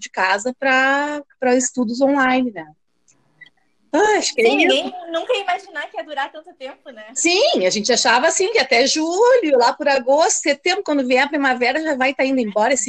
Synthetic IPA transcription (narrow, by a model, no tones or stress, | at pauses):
d͡ʒɪkazɐpɾɐpɾɐzɪst̪ud̪ʊzõlajnɪnɛ | aaʃkẽjnũkɐimaʒinaɾkɪɛd̪uɾaɾt̪ɐ̃nt̪ʊt̪ẽmpʊnɛsĩaʒẽnt͡ʃɪaʃavɐasĩkɪat̪ɛʒuʎʊlapʊɾaɡost̪ʊ̥set̪ẽmbɾʊkwɐ̃nd̪ʊvẽj̃ɐpɾimavɛɾɐʒavajt̪aĩnd̪ʊẽbɔɾɐsĩ